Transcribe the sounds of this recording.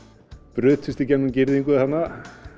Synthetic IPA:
pɾʏːt̪fʏst̪icɛnːʏmcɪɾðiŋkʏɪhanːa

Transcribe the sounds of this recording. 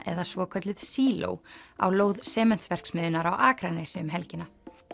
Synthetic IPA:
ʔɛ̰ðasvɔːkʰœt̪lɪð̥siːlo̰wa̰wloːwðsɛːmɛn̥tsvɛr̥ksmɪðʏnaɾawʔaːkɾanɛsɪʏmɦɛlcɪna

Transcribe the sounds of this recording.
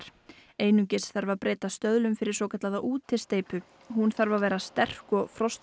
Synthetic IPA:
ɾ̥ | eːjnyɲcɪsθaɾvapɾeːt̪ast̪œðlʏmfɪɾɪɾ̥sɔːkʰɛt̪laðaʔuːt̪ʰɪlst̪eːjpʏ | hunθaɾvavɛːɾast̪ɛr̥kɔɣfɾɔst̪

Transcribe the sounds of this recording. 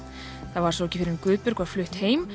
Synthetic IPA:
θaðvaɾsowɛcɪfɪɾɪɾɪmkʏːðpʏɾkvḁflʏht̪heːjm

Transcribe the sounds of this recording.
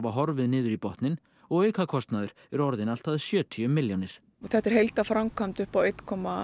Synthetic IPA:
vaɦɔɾvɪðnɪːðʏɾipɔht̪nɪn | ɔɣœːɥkʰakʰɔst̪naðʏɾ̥ | ɛɾɔɾðɪnal̥t̪aðsjœːt̪ʰiʏmːɪljɔnɪɾ̥ | θɛht̪ɛɾ̥ɦejlt̪afɾamkʰamt̪ʏhpawejt̪kʰɔma

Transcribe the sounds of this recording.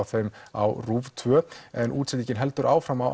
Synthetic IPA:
θejma̰wruvt̪ʰvœɛnʔṵːt̪sɛt̪icɪnɦɛlt̪ʏɾʔaːwfɾamaw

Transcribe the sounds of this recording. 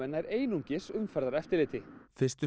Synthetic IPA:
ɛnːaɛɾeːjnuɲcɪsʏmfɛɾðaɾɛft̪ɪɾlɪːt̪ɪfɪr̥st̪ʏ

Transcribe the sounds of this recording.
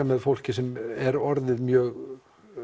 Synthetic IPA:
amɛðfowl̥cɪsɛmɛɾɔɾðɪðmjœːɣ

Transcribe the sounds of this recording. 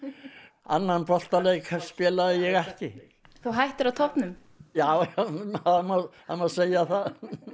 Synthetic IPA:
anːanpɾɔl̥t̪aleːjkʰaspɪːlaðɪjɛɣɛhcɪ | θuwɦajht̪ɪɾaðt̪ʰɔhpnʏm | jaːw | amað | amaðseːjaθað

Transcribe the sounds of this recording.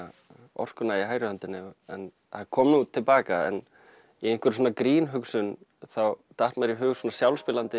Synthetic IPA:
ɔ̰r̥kʏnaiɦaːjɾɪant̪ɪnːɪɛn | hakʰɔːmnut̪ʰɪlpaːkaɛ̰n | ienŋ̥kʏɾsoːnakɾiːnɦʏksʏn | θawt̪aht̪maɾiɦʏːɣʏsvoːnasjawlspɪːlant̪ɪ

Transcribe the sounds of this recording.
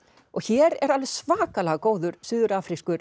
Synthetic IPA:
ɔɣçɛːɾɛ̰ɾaðlvɛðsvaːkalɛɣakoːwðʏɾ̥sʏːðʏɾaːfɾiskʏɾ

